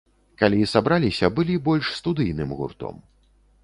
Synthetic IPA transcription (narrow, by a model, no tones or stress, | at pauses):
kalʲisabɾalʲisʲɐbɨlʲibɔlʲʂst̪ud̪ɨjnɨmɣṵrt̪ɔ̰m